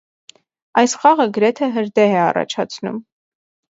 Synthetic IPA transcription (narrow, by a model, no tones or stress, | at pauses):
ɑjsχɑʁəɡəɾɛt̪ʰɛɦəɾd̪ɛɦɛɑ̰rɑ̰t͡ʃʰɑ̰t͡sʰnṵm